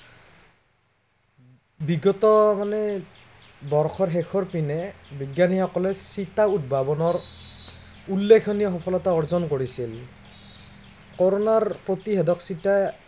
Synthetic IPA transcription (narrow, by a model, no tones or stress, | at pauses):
biɡɔtɔmanɛ | bɔɹxʰɔɹɦɛkʰɔɹpinɛbiɡjanixɔkɔlɛsitaudbʱabɔnɔɹ | ulːekʰɔnijɔxɔpʰɔlɔtaɔɹzɔnkoɹisil | kɔɹonaɹpɹotiɦɛdɔksita